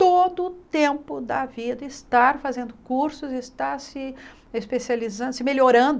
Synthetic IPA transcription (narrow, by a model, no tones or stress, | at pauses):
t̪od̪ʊːt̪ẽmpʊd̪ɐvid̪ɐɪst̪aɾfazẽnd̪ʊkuɾsʊzɪst̪aɾsɪ | espesializɐ̃sɪmeloɾɐ̃nd̪ʊ